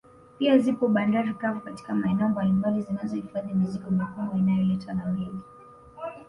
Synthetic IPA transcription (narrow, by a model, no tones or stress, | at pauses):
piazipɔɓandaɾikavɔkati̥kamaɛnɛɔmbalimbalizinazɔhifaðimizikɔmakumwainajɔlɛtanamɛŋɡi